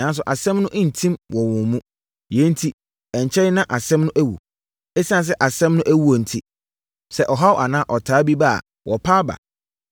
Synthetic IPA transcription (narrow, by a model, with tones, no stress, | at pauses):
nã˨˦n˦s̬ʊ˨ʔa˨sɛ̃˦mnʊ̃˦ʔɪ̃˦n̩˨tʰĩ˦mwʔɔ˨wʊ̃˨mũ˦ | jɛ˨˦n̩˦tʰi˦ | ɛ̃˨ɲ˨t͡ɕʰɛ˦nã˦ʔa˨sɛ̃˦mnʊ̃˦ʔæ˦wṵ˨ | ɛ˦si˦ã˦˨s̬ɛ˦ʔa˨sɛ̃˦mnʊ̃˦ʔæ˦wu˦o˨n̩˨tʰi˦ | sɛ˨ʔɔ˨ɦa˦wʔa˨nã˦ʔɔ˨tʰaː˨˦bi˦ba̰˦˨ | wʔɔ˨pʰaː˦ba̰˨